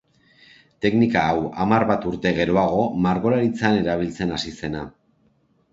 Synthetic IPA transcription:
t̪e̞knikaːwamarβat̪uɾt̪e̞ɣ̞e̞ɾo̞aɣ̞o̞maɾɣo̞ɾaɾit͡sane̞ɾaβ̞ilt͡se̞nasise̞na

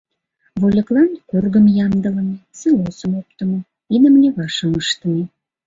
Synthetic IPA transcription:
βolʲəklɑnkorɣəmjɑmd̪ələnt͡selosəmop̚t̪əmo | id̪əmlʲeβɑʃəəʃt̪əne

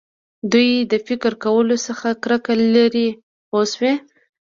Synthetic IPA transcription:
d̪ujd̪əfɪkəɾkawəlosəxakɾakalaɾi | oswe

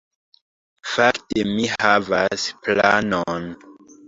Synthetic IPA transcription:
faktemihavasplanon

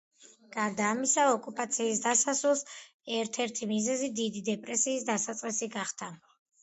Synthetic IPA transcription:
ɡ̥aɾd̪aːmisaɔkʼupʼat̪sʰiːsd̪asasulˠs | ɛɾt̪ʰɛɾt̪ʰimizɛzid̪id̪id̪ɛpʼɾɛsiːsd̪asat̪sʼqʼisiɡaχd̪a

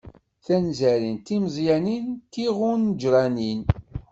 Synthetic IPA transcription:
θænzæɾint̪imzˤjænint̪ːiʁʊnːd͡ʒɾˤɑnin

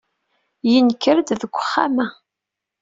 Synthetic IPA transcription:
jinkːəɾd̪ðəɡʷːəχːa̰mæ

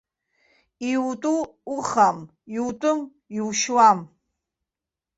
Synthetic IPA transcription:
iwtʼuːχam | iwtʼʊm | iwʃwam

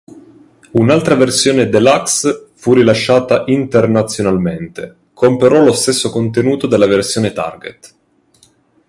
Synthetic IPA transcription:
unalt̪ɾaversjoːned̪elːaksfurilaʃːaːt̪aʔint̪ernat̪sːjonalment̪e | kʰompeɾɔlost̪esːokont̪enuːt̪od̪elːaversjoːnet̪a̰rɡḛt̪

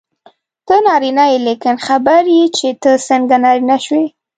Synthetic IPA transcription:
t̪ənɑɾinajlikɪnxabaɾjit͡ʃet̪əsəŋɡanɑɾinaʃwe

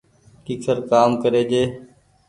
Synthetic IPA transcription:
kikʰəɾkaːmkəɾeːd͡ʒeː

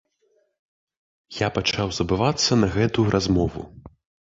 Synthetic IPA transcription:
japat͡ʂawzɐbɨvat̪sːɐnɐɣɛt̪uɾʔazmɔvṵ

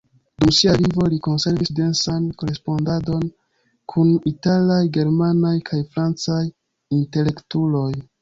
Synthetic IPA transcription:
dumsialivo̞liko̞nse̞ɾvisde̞nsanko̞ɾe̞spo̞ndado̞n | kʰunitalajɡe̞ɾmanajkʰajfɾant͡saj | inte̞le̞ktulo̞j

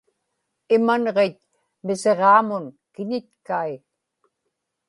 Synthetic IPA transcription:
ɪmanʁet̪ | mɪseʁɑːmʊnkɪɲɪt̪̚kai

